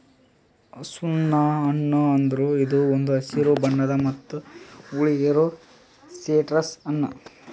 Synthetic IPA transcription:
sunːɐɐnːuɐnd̪ɐɾuid̪uond̪uɐsiɾubɐɳːɐd̪ɐmɐt̪ːuuɭijeɾu | seːʈɾɐsɐnːɐ

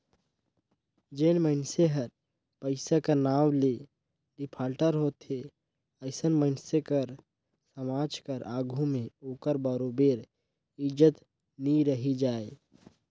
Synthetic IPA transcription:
d͡ʒeːnməɪnseɦəɾ | pəɪsakanaːwle | ɖɪpʰaːlʈəɾɦoːt̪e | əɪsənməɪnsekəɾ | səmaːd͡ʒkəɾʔaːɡʱũmẽoːkəɾbəɾoːbeːɾ | ɪd͡ʒət̪ | niɾəɦid͡ʒaːe

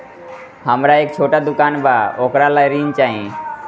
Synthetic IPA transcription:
həmɾaeːk̚t͡ʃʰoːʈaːd̪ʊkaːnbaoːkɾalaːjɾiːnt͡ʃaːɦĩː

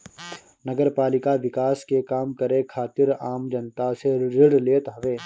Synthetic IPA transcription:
nɐɡəɾpaːlɪkaʋɪkaːskekaːmkɐɾẽkʰaːt̪ɪɾaːmd͡ʒɐnt̪aseɾɪɽleːt̪ɦɐʋeː

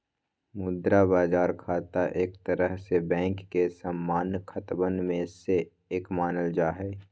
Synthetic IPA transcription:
mʊd̪ɾabaːzaːɾkʰaːt̪aʔeːkt̪əɾəɦsebɛ̃ːŋkːesəmːaːnkʰət̪bənmẽse | eːkmaːnəld͡ʒaːɦɛː

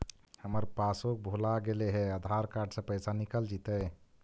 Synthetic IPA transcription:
həməɾpasok̚bʱolaɡeleɦɛəd̪ʱaɾkaɾɖsə̃pəjsanikəld͡ʒit̪ə

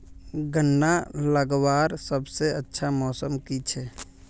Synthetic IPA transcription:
ɡʱənːaləɡwaɾsəbseətːʃʰamɔːsəmkit͡ʃʰɛ

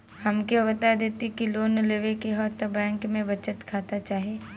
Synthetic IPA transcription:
hɐmkeʋɐt̪ad̪eːt̪ikiloːnleːʋekeɦɔːɾt̪əbɛ̃ːŋkmẽbɐt͡ʃət̪kʰaːt̪at͡ʃaːɦieː

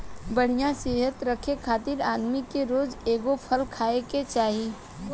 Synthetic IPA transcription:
bɐɽ̤ijãseːɦət̪ɾɐkʰekʰaːt̪ɪɾaːd̪mikeɾoːzeːɡopʰəlkʰaːeket͡ʃaːɦi

